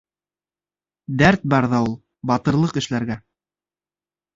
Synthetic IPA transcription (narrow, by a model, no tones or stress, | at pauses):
d̪æɾt̪̚bɑɾðɑulˠ | bɑt̪ɤ̆ɾlˠɤqɘ̆ʃlæɾɡæ